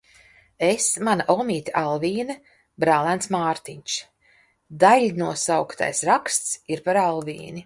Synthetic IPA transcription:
esmanaʔɔmʲiːt̪ʲaʔalˠviːnɐ | bɾaːlˠænsmaːɾt̪iɲʲt͡ʃ | d̪aʎʲnuɔsawkt̪a̰jsɾakst̪siɾpaɾalˠvḭːni

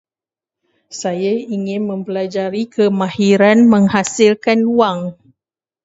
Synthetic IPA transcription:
sajaiŋɪnmə̃mpəlad͡ʒaɾikʰəmãhiɾanməŋhasilkanuaŋ

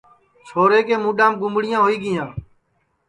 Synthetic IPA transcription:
sʰoːɾeːkeːmũːɗãːmɡʊmbɽɪjãːɦoːiːɡɪjãː

